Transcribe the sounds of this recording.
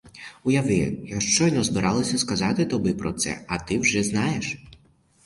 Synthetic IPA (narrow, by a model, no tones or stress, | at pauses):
ʊjaʋɪjaʂt͡ʂɔjnɔzbɪɾʔalˠɐsʲɐskazat̪ɪt̪ɔbɪpɾɔt̪sɛ̰ɐt̪ɪwʒɛznajɛʂ